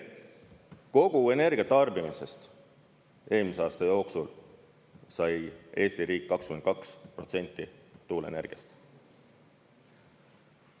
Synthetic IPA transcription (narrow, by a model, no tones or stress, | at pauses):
ko̞ɡ̥ue̞ne̞rɡ̥iɑt̪ɑrbimise̞st̪ | eːlmiseɑːst̪ɑjo̞ːksul | sɑje̞ːst̪iɾiːkːɑkskymekɑkspro̞t̪se̞nʲt̪ːˑit̪uːlḛne̞rɡ̥ijɑ̰st̪